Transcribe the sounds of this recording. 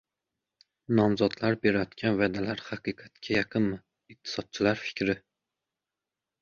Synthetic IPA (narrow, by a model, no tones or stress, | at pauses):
nɒmzɒd̪laɾbe̞ɾajɒt̪kʲʰanvad̪alaɾhɑqɨqʰɑt̪kʲʰajɑqʰɨnmɪ | ɪq̚t̪ʰɪ̥sɒd̪̚t͡ʃʰɪlaɾfɪ̥kʲʰɾɪ